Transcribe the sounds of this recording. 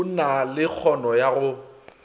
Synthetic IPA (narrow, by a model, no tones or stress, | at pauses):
nalɪk͡xʰɔnɔjaɣʊ